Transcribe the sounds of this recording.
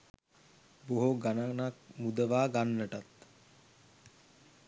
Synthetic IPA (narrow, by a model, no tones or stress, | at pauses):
boɦoɡananak̚mud̪əʋaːɡanːəʈat̪